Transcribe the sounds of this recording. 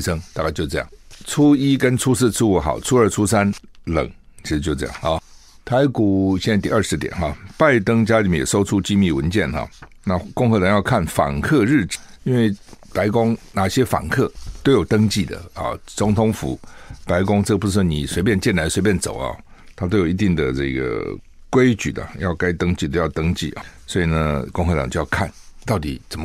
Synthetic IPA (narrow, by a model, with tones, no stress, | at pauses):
sɤ˥ŋt̪a˥˧ka˥˧ɪt͡ɕo˥˧ʊʈ͡ʂɤ˥˧jɑ̰˥˩ŋt͡sʰu˥i˥kə˥nt͡sʰu˥sɹ̩˥˧t͡sʰu˥u˧˥xɑ̰˨˩ʊt͡sʰu˥ə˞˧˩t͡sʰu˥sa˥nlə̰˨˩˦ŋt͡ɕʰi˧˥ʂɻ̩˧t͡ɕo˥˧ʈ͡ʂɤ̰˥˧jɑ̰˥˨˩ŋɑ˥˧˩ | t̪ʰa˧˥ɪku˨˩ɕjɛ˥˩na˥ɪt̪i˥ə˞˥˩ʂɻ̩˧˥t̪jɛ̰˨˩˦nxɑ˥˧pa˥˩ɪt̪ɤ˥ŋt͡ɕja˥li˨˩mɛ˥˩jɛ̰˨˩so˥ʊʈ͡ʂʰu˥t͡ɕi˥˧mi˥˩wə˧˦nt͡ɕjɛ˥˩nxɑ̰˨˩na˥˧˨kʊ˥˧ŋxɤ˧˥t̪ʰa˧˥ŋjɑ˥˧kʰa˥˩nfa̰˨˩ŋkʰɤ˥˧ɻɻ̩˥˩ʈ͡ʂi˥nwe˥˩ɪpa˧˥ɪkʊ˥ŋna˨˩ɕjɛ˥fa̰˨˩nkʰɤ˥˩t̪o˥ʊjo˨˩ʊt̪ɤ˥ŋt͡ɕi˥˩d̪ə̰˩ɐ̰˨˩t͡sʊ˧˥ŋt̪ʰʊ˧˥ŋfṵ˧˥pa˧˥ɪkʊ˥ŋʈ͡ʂɤ˥˩pu˧˥ʂɻ̩˥˩ni˨˩swe˧˥ɪp̬jɛ˥˧nt͡ɕjɛ˥˩nla˧˥ɪswe˧ɪp̬jɛ˥˩nt͡so̰˨˩ʊɐ̰˦t̪ʰa˥t̪o˥ʊjo˨˩i˧t̪i˥˩ŋd̪ə˩ʈ͡ʂɤ̰˥˩ɡə̰˩ | kwe˥ɪt͡ɕy̰˨˩d̪ə̰˨˩jɑ˥˩ʊka˥ɪt̪ɤ˥ŋt͡ɕi˥˧˩t̪o˥ʊjɑ˥˧ʊt̪ɤ˥ŋt͡ɕḭ˥˩˨swɔ˧˥i˨˩nə˧kʊ˥˧ŋxɤ˧t̪ɑ˨ŋt͡ɕo˥˧jɑ˥˧kʰa̰˥˩nt̪ɑ˥˩ʊt̪ḭ˨˩t͡sə˨˩mə˦